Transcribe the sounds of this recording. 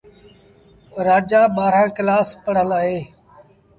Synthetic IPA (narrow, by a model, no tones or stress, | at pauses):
ɾaːd͡ʒaːɓaːɾãːkɪlaːspəɽ̤əlaːɦeː